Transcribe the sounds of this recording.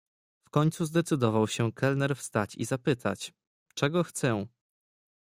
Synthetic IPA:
fkɔɲt̪suzd̪ɛt̪sɘd̪ɔvawɕɛkʰɛlnɛɾfst̪at͡ɕḭzapɘt̪ʰa̰t͡ɕ | t͡ʂɛɡɔxt̪sɛ̃

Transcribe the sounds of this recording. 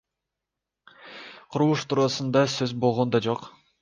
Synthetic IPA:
qʰuɾulˠuʃt̪ʰuɾɑsund̪ɑsøzbo̞lˠʁo̞nd̪ɑd͡ʒo̞q

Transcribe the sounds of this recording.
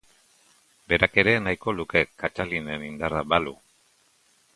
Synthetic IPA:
be̞ɾake̞ɾe̞najko̞luke̞kat͡ʃalinenind̪arabalu

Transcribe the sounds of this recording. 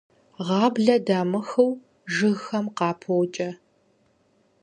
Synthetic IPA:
ʁɑːbɮɐdaːmɨxɨw | ʒɨɣxɐmqɑːpʰowt͡ʃʼɐ

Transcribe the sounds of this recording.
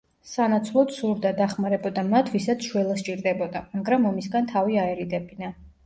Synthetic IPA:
sanat̪sʰlˠɔt̪suɾd̪ad̪aχmaɾɛbɔd̪amat̪ʰvisat̪sʰʃwɛlˠast͡ʃʼiɾd̪ɛbɔd̪amaɡɾamɔmisɡant̪ʰaviaɛɾid̪ɛbina

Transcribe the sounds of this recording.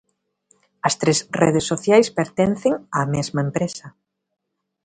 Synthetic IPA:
ɐst̪ɾesreðesːoθjajspeɾt̪ɛn̟θeŋamezmɐempɾesɐ

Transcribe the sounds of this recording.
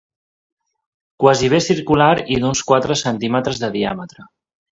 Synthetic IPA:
kwaziβesiɾkulaɾiðunskwat̪ɾəsənt̪imət̪ɾəzðəðia̰mət̪ɾə

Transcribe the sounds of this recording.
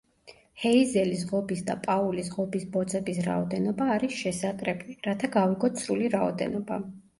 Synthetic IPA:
hɛizɛlisʁɔbisd̪a̰pʼaulisʁɔbisbɔd̪zʼɛbisɾa̰ɔd̪ɛnɔbaːɾisʃɛsat̪ʼɾɛbliɾat̪ʰaɡaviɡɔt̪sʰɾuliɾaɔd̪ɛ̰nɔba

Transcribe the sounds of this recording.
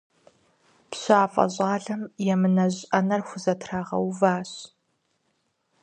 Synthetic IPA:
pɕaːfʼɐ̰ʑʼaːɮɐmjɛmɨnɐʑʼɐnɐrxʷʊzɐtʰraːʁɐ̰wvaːɕ

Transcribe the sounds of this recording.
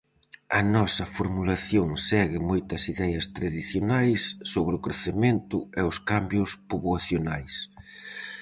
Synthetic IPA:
ɐnɔsɐfoɾmulaθjoŋsɛɣɪmojt̪ɐsiðɛjɐst̪ɾaðiθjonajsːoβɾɪʊkɾeθement̪ʊɛʊskambjʊspuβwaθjonajs

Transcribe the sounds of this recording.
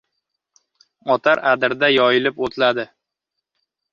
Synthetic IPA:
ɒt̪ʰaɾad̪ɪɾd̪ajɒjɪlɪpot̪ʰlad̪ɪ

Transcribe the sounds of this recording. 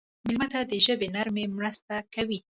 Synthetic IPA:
mɪlmat̪ad̪əʒəbenaɾmemɾəst̪akawi

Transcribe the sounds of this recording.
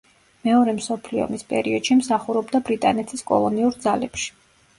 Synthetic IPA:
mɛɔɾɛmsɔpʰliɔ̰mispʼɛ̰ɾiɔd̪̥ʃimsaχuɾɔbd̪abɾit̪ʼanɛt̪ʰiskʼɔ̰lˠɔniuɾd̪zalɛpʃi̥

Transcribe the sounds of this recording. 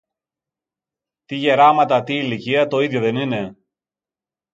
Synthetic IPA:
t̪iʝe̞ɾɐmɐt̪ɐt̪iːliciɐt̪o̞iðjoðe̞nine̞

